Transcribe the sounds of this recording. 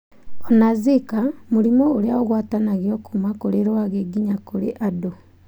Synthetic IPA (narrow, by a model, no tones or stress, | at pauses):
onazikamuɾimooɾjaoɣwaːtanaɣjokumakoɾeɾwaɣeɡiɲakoɾḛʔado